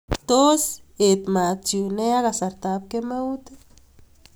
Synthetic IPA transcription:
t̪o˦se˨t̪ma˨t̪t͡ʃu˨ne˦a˦ɣa˧sa˨ɾt̪a˨p̚ke˦ma˦wt̪

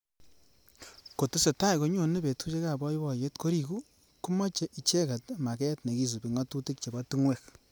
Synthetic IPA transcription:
ko˨tu˦se˨ta˦i˨ko˨ɲo˨ne˦pe˨tu˦t͡ʃe˦ka˨bɔ˦i˦bɔ˨je˦tko˦ɾi˦ku˦ | ku˦mɔ˦t͡ʃe˦ʔi˨t͡ʃe˦ka˨tma˨kɛ˦tne˨ki˦s̬u˨pi˨ŋɔ˦tu˦ti˦k̚t͡ʃe˨bɔ˦tu˦ŋwɛ˨k̚

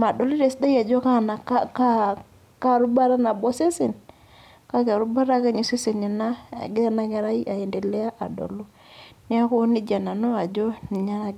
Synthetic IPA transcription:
ma˨do˨lo˦de˨sda˦i˦a˨d͡ʒɔ˦ka˦na˨ka˦ka˦ | ka˦˨ɾu˦ba˦ɾa˦na˨bɔ˦se˦se˨n | ka˦ka˨ɾu˦ba˦ɾa˦ka˦ɲi˨se˦se˨ni˨na̰˦˨ɡɪ˦a˦na˦ka˨ɾa˦i˦ʔa˨e˨nde˨lɛ˦a˦ʔa̰˨do̰˨lu˦ | ni˦a˦ko˦nɪ˦d͡ʒa˨na˨no˦a˨d͡ʒɔ˦ni˨ɲa˦ɾa˦

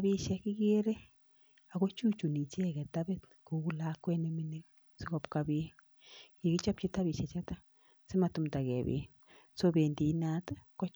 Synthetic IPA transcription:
bi˧ʃa˧ki˦ɡe˦ɾe˦ | a˨ɡʷa˦t͡ʃu˦t͡ʃu˨ni˨t͡ʃe˦˨ɡa˨t̪a˦be˦t̪ | ku˨ɡu˧la˦kʷe˦ne˧mi˧ni˦ | so˦ɡo˨pka˧bi˧˦ | ji˨ɡi˦t͡ʃa˦p̚t͡ʃi˧t̪a˦bi˨ʃa˨t͡ʃa˦t̪a˦ | se˦ma˧t̪u˧md̪a˨ɡḛ˨bḭ˨˦ | so˦be˨nd̪i˨˦na˧˦t̪a˦kʷa˦

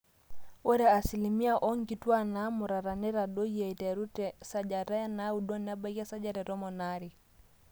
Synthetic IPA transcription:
wɛ˦ɾa˨a˨si˨li˨mi˦a˦ʔɔ˦ŋ˦ɡi˨twa˦na˨˦mʊ˨ɾa˨ɾa˨nɛ˦ɾa˨dɔ˦i˦a˨i˨tɛ˨ɾu˦tɛsa˨d͡ʒa˨ɾa˦ja˦na˦u˨dɔ˦na˦ba˦ka˦sa˦d͡ʒa˦ɾɛ˨ɾɔ˦mɔ˨na˦ɾi˨

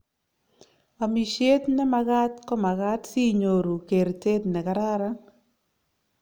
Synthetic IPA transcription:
a˨mi˨ʃe˦t̪nɛ˦ma˦ɡa˦tkɔ˦ma˨ɡa˦tsi˦ɲo˨ɾu˨ke˨ɾte˦t̪nɛ˨ka˨ɾa˦ɾa˦

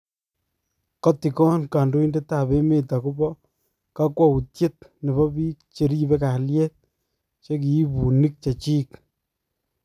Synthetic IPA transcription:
kɔ˦ti˨kɔ˦nka˨ndo˦i˦nde˦ta˦pe˦me˦ta˨kʊ˦bɔ˦ | ka˦kwa˦u˨tje˦t̚ne˨βɔ˦bi˦k̚t͡ʃe˨ɾi˦be˦ka˨ljɛ˦t̚ | t͡ʃe˦k̬i˨i˦pu˨ni˦k̚t͡ʃa˨t͡ʃiː˦k

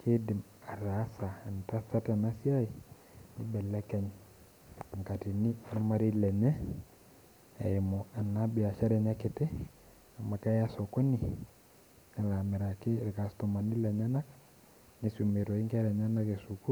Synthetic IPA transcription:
kʰe˦di˨m | a˨ɾa˨˦saː˨n˨ta˦sa˦ta˨na˦si˦a˦i˨ | ni˦bɛ˨lɛ˦kɛ˦˨ɲ˨ | ŋka˨ti˨ni˦a˨ɾma˦ɾi˦lɛ˨ɲɛ˦ | a̰˨e˨mo˨a˨na˦bi˨a˨ʃa˦ɾɛ˨ɲa˦ke˨te˦ | a˨ma˨ka˦ja˦so˨ko˦ni˨ | na˨la˨me˨ɾa˨ke˦ɾka˨sto˨ma˨ni˦lɛ˨ɲa˦na˦k | ni˦su˨me˨ɾo˨i˦ŋka˦ɾɛ˨ɲa˦na˦ke˨su˨ku˦

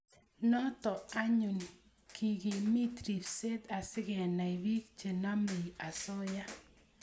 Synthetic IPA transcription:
nɔ˦t̪ɔ˨a˦ɲu˨n | ki˨ɡi˨mi˦t̪ɾi˨fse˦t̪a˨sɪ˦ɡɛ˨na˨i˨bi˦k̚t͡ʃe˨na˦mi˨a˨sɔ˦ja˦

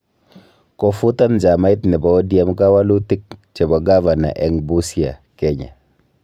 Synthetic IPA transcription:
kɔ˨fu˦ta˦nd͡ʒa˨ma˦i˦tnɪ˨bɔ˨˦dja˦mka˦wa˦lu˦ti˦k̚t͡ʃe˨bɔ˨ɡa˦va˨na̰˨ʔɛ˨ŋbu˦si˦a̰˨kɛ˨ɲa̰˨

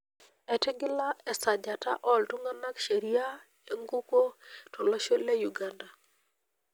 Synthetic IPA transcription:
ɛ˨tɛ˦ɡɪ˦la˦ɛ˨sa˨d͡ʒa˨ta̰˦ʔɔ˦ltu˦ŋɡa˦na˦kʃe˨ɾi˦ja˦ | e˨ŋɡu˦ko˦tʰɔ˨lɔ˦ʃo˦le˦ju˨ɡa˦nda˨

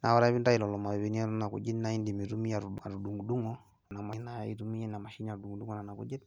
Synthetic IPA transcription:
na˨wa˨ɾa˦βi˦nda˦i˨lɔlɔ˨ma˨ɛ˨βɛni˦ɔ˦na˨kṵ˨d͡ʒi˦ni˦nai˦ndimi˨ɾu˦mi˦aɾa˨ɾu˨ɗu˨ŋɡuɗu˦ŋɔ | na˨manaḭɾumi˦anamaʃi˦naɾudu˨ŋɡu˨du˦ŋɡɔnana˨kṵ˦d͡ʒɛ˦t

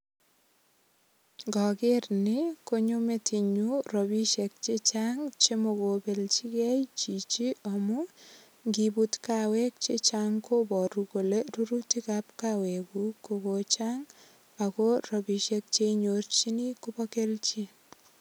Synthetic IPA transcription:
ŋɡɔ˨ɡɪrnɪko˦ɲo˦me˦tʰi˨ɲuro˨bi˦ʃek̚t͡ʃet͡ʃaŋt͡ʃe˦moɡo˨be˨lt͡ʃi˦kɛjt͡ʃi˨t͡ʃi˦a˨mʊ˦ | ŋɡibutkawɛ˦k̚t͡ʃet͡ʃaŋko˦bɔ˨ɾuko˨le˦ɾu˦ɾuti˦kapkawɛbuko˨ɡo˨t͡ʃaŋ | a˨ko˦robi˨ʃe˦k̚t͡ʃe˦ɲort͡ʃi˦ni˦ko˦bɔke˦lt͡ʃi˦

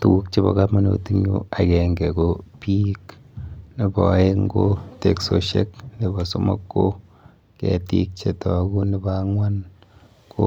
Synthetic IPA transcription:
tu˨ɡu˦k̚t͡ʃe˦bɔ̰˨ka˦pma˦no̰˨ti˦ŋɲṵ˦a˨kɛ˨ŋɡɛ˨ko˦pi˦kne˨bɔ˨˦e˦ŋɡo˦te˨kso˨ʃe˦kne˨bɔ˨so˦mo̰˦kːo˦ | kɛ̰˨ti˦k̚t͡ʃe˨tɔ˨ku˦ne˦ba˦ŋwa˦n | ko˦

